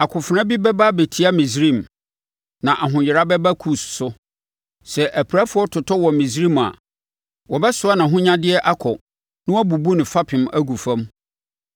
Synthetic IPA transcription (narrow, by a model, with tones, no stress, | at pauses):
a˨kʰʊ˨fʊ˨ɾã˦bi˦bɛ˦ba˦be˨tʰi˨a˦mĩ˨s̬ɾĩ˦˨m | nã˨ʔa˨ɦʊ̃˨jɪ˨ɾa˦bɛ˦ba˦kʰu˦˨ssʊ˦ | sɛ˨ʔæ˨pʰi˨ɾa˦fʊ˨˦ɔ˦tʰʊ˨tʰɔ˦wɔ˨mĩ˨s̬ɾĩ˦ma̰˨ | wɔ˨bɛ˦sʊ˨˦a˦nã˨ɦʊ̃˦ɲã˦dɪ˦ɛ˦ʔa˦kʰɔ˨ | nɪ̃˦ɔ˦bu˨bu˦nɪ̃˨fa˦pʰɪ̃˨mʔæ˦ɡu˨fã˦m